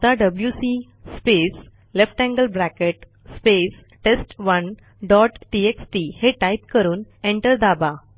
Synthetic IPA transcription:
t̪aɖəbljusi | spes | lefʈæ̃ŋɡəlbɾækeʈ | spes | ʈesʈʋən | ɖɔʈʈieksʈiheʈaip̚kəɾuːnẽɳʈəɾd̪aba

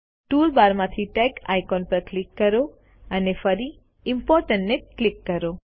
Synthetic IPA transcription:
ʈuɾbaɾmãt̪ʰiʈɛkajkɔnpəɾklikːəɾo | ənefəɾi | ɪmpɔɾʈəɳʈneklikːəɾo

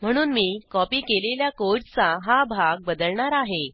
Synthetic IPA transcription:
m̤əɽ̃uːnmiːkɔpiːkeleljakod͡ʑt͡saɦabʱaɡ̚bəd̪əɭɳaɾaɦe

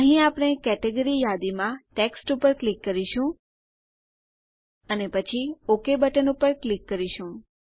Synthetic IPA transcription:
əɦĩapəɽ̃ekɛʈeɡəɾijad̪imãʈeksʈupəɾklikːəɾiʃũ | ənepət͡ʃʰiokebəʈənupəɾklikːəɾiʃũ

